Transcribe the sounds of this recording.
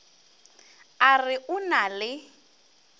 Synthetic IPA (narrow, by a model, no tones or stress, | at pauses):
arɪʔʊnalɪ